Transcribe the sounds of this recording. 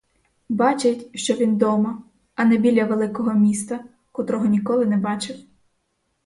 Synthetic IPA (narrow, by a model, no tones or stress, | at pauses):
bɑt͡ʃetʲʃt͡ʃɔʋʲind̪ɔmɐ | ɐnɛbʲilʲːɐʋelˠɪkɔɦɔmʲist̪ɐ | kʊt̪ɾɔɦɔnʲikɔlˠɪnɛbɑt͡ʃɪw